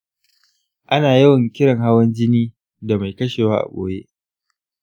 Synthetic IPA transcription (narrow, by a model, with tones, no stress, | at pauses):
ʔa˦naː˨jɐ˦wɐ˨ŋkʲɪ˦ɽɐ˨ŋha˦wɐ˦nd͡ʒɪ˦niː˦ | da˨ma˨jkɐ˦ʃeː˨waː˦ʔa̰˨kʷʼo̰ː˦jḛ˦ʔ